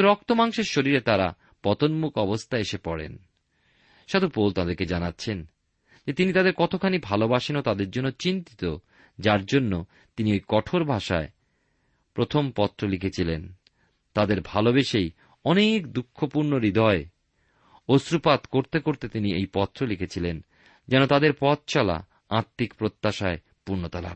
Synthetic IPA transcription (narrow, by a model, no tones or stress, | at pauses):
ɾɔk̚t̪omaŋʃeɾʃoɾiɾet̪aɾa̰ | pɔt̪onmukɔbost̪ʰaeʃepɔɽḛn | ʃad̪upolt̪ad̪eɾked͡ʑanatːɕʰen | d͡ʑet̪init̪ad̪eɾkɔt̪ʰokʰanibʱalobaʃinot̪ad̪eɾd͡ʑonːot͡ɕint̪i̥t̪o | d͡ʑaɾd͡ʑonːo | t̪iniejkɔʈʰoɾbʱaʃa̰e | pɾot̪ʰompɔt̪ːɾolikʰet͡ɕʰilen | t̪ad̪eɾbʱalobeʃej | ɔnekd̪ukʰːopuɾnoɾid̪ʱɔe | osɾupat̪koɾt̪ekoɾt̪et̪iniejpɔt̪ːɾolikʰet͡ɕʰilen | d͡ʑɛnot̪ad̪eɾpɔt̪̚t͡ɕɔla̰ | aɾt̪ːikpɾot̪ːaʃae | puɾnot̪ala̰b̚